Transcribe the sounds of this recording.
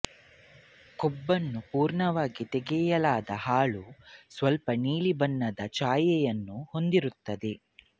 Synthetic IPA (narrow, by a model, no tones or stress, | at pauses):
kobːɐnːupuːɾɳɐʋaːɡit̪ɛɡɛjɐlaːd̪ɐhaːɭusʋɐlpɐniːlibɐnːɐd̪ɐt͡ʃaːjɛjɐnːuho̞nd̪iɾut̪ːɐd̪e̞